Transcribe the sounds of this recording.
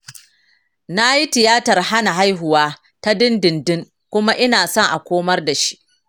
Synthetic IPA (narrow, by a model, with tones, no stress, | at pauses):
na˦ji˦tɪ˨jaː˦tɐ˨rha˦na˨ɦa˦jɦʊ˨waː˦ | ta˦dɪ˦ndɪ˨ndɪ˦ŋ | kʷʊ˦ma˦ʔɪ˦naː˨sɔ˦ŋʔa˨kʷoː˦mɐ˦rda˨ʃi̥˦ʔ